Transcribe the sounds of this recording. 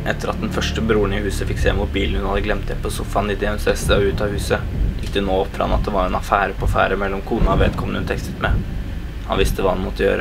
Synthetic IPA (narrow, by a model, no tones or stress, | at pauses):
ʔɛt̪ːəɾɑt̪̚d̪ɛnfœʂʈəbɾuːəɳɪhʉːsəfɪkseːmʊɾbiːln̩hʉnhɑd̪əɡlɛmt̪d̪ɛpɔsʊfɑnɪt̪ɪɛsɛsəɔʉːt̪ɑhʉːsə | jɪkːd̪ɛnoːɔpːfɾɑ̰nɑt̪̚d̪ɛʋɑɾɛnɑfæːɾəpɔfæ̰ːɾəmɛlːɔmkʰuːnɑɔʋḛːd̪kʰɔmənəʉnt̪ʰɛkst̪ət̪mɛ | hɑnʋɪst̪əʋɑːhɑnmɔt̪ːəjø̰ːɾʔə